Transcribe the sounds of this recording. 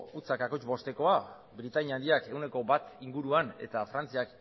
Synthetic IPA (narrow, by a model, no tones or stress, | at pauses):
ut͡sakakojt͡ʃβo̞st̪e̞ko̞a | βɾit̪aɲand̪iake̞wne̞ko̞bat̪iŋɡuɾuane̞̰t̪afɾant͡siak